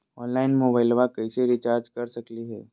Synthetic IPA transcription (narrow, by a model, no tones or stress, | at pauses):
ɔːnlaːɪnmoːbaːɪlʋakɐiseɾɪt͡ʃaːɾd͡ʒkɐɾsɐkliɦɛː